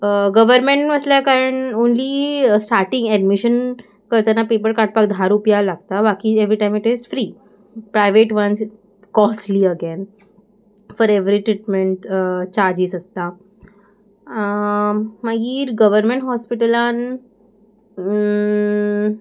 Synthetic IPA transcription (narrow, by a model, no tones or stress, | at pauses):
ɡəʋəɾmeɳʈməslakaɾəɳonliːsʈaɾʈĩŋɡɛɖmiɕən | kəɾt̪anapep̬əɭkaʈ̚pakd̪ʱaɾupjalaɡ̚t̪abakieʋɾiʈajmiʈizfɾiː | pɾajʋeʈʋəns | kɔsliəɡen | fɔɾeʋɾiʈɾiʈmẽɳʈt͡ɕaɾd͡ʑiːzəst̪a | maɡiːɾɡəʋəɾmẽɳʈɦɔspiʈəlan